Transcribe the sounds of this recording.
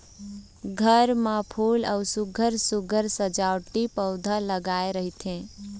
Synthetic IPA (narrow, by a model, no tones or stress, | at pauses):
ɡʱəɾmãpʰuləʊsuɡʱəɾsuɡʱəɾsəd͡ʒaʊʈipəʊd̪ʱaləɡaeɾəɦit̪ʰẽ